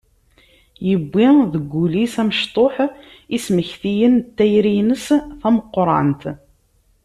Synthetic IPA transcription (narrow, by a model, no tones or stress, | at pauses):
jəbːiðəɡʷːulisæməʃt̪ˤoħ | isməçθijənt̪ːæjɾinəsθæməqːɾˤɑ̰nt̪